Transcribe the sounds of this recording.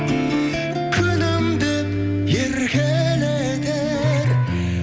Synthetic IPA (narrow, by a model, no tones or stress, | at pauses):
kʲʰɵnɪmd̪ep | jeɾkʲele | d̪e | ɾ